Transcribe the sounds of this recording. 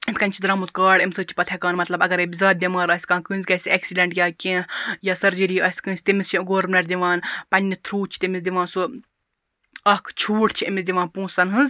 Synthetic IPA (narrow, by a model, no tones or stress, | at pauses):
emʲkɐnʲt͡ʃʰid̪ɾɐmut̪kaːɽemsɨːt͡ʃʰi̥pɐt̪ʰʲɛkaːnmɐt̪lɐbɐɡɐɾebʲizaːt̪̚d̪ʲimaːɾɐsʲkãːkɨ̃ːnzʲkɐsʲeːksiɖɐɳʈjaːkʲẽːjaːsɐɾd͡ʒiɾiːɐsʲkɨ̃ːsʲt̪imist͡ʃʰiɡoːɾmnɐɾʲd̪iʋãːnpɐnʲːit̪ʰɾuːt͡ʃʰi̥t̪imizd̪ʲiʋãːnsu | ɐkʰt͡ʃʰuːʈt͡ʃʰimisd̪ʲiʋãːnpũːsɐnɦɨ̃nz